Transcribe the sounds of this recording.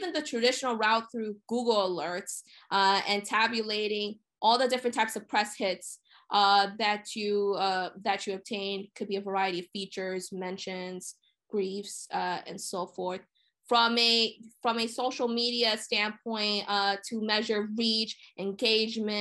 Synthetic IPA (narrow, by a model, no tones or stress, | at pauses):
vɨ̃nðɨtʰɹ̥ɨdɪʃnl̩ˠɹaʊt̪̚θɹʉɡ̥uɡl̩ˠəlɜ˞ts | ʔʌɨ̃ntʰæbjɨleɪɾɪ̃ŋ | ʔɔlˠðədɪfɹɨ̃ntʰaɪpsʌv̥pʰɹ̥ɛshɪts | ʔʌðɨt͡ʃɨʌðɨt͡ʃɨɨb̚tʰẽɪ̃nkʰɨd̚biɨvə˞aɪɨɾiʌv̥fit͡ʃə˞zmɛ̃nʃɨ̃nz̥ | ɡ̥ɹifsʌɨ̰̃nsoʊfɔɹθ | fɹʌ̃mɨfɹʌ̃mɨsoʊʃl̩ˠmiɾiɨstæ̃npʰɔ̃ɪ̃ntʌtʰɨmɛʒə˞ɹit͡ʃʔɨ̃nɡeɪd͡ʒmɨ̃